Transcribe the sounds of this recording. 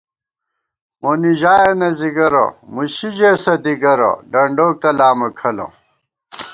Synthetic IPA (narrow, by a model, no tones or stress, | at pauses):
moniʑaːenɐziɡɐɾo̰muɕid͡ʑesɐd̪iɡɐɾo̰ɖɐɳɖoːk̚t̪ɐlaːmɐkʰɐlo̰